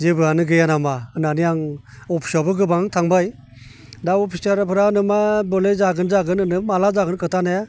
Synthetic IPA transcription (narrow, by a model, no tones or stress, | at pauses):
zebɯanɯɡɯjanamaɯnanijaŋ | ɔpʰi̥sabɯɡɯbaŋtʰaŋbaj | daɔpʰisaɾpʰɯɾanɯmabɔlezaɡɯnzaɡɯnɯnɯmalazaɡɯnkʰɯtʰanaja